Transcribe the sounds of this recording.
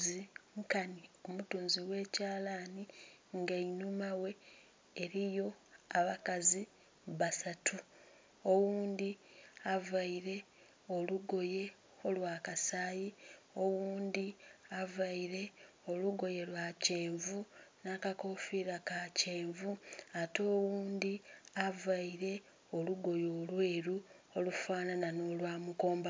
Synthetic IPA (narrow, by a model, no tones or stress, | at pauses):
iŋkanio̞mutuːnziwe̞ːcaːlaniŋɡainumawe̞ː | ɾijo̞ | aβakazi | βasatʰu | o̞wuːnd̪iavaiɾe̞ | oluɡo̞je̞ | o̞lwaːkasaːji | o̞wuːnd̪iavaiɾe̞ | o̞luɡo̞je̞lwaceːɱvunakako̞fiɾakace̞ːɱvuato̞ːwuːnd̪iavaiɾe̞ | o̞luɡo̞joːlwe̞ːɾu | olufaːnanano̞ːlwaːmuko̞ːmba